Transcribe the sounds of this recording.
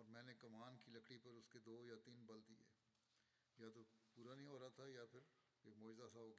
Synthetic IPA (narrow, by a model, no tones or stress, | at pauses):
ɔːɾmɛ̃ːnekɐmaːnkilɐkɽipɐɾʊsked̪oːjat̪iːnbɐld̪iɛː | jat̪opuːɾanɐɦĩɔːɾat̪ʰajapʰɪɾ | eːkmɔːd͡ʒɪzasaɦoːɡ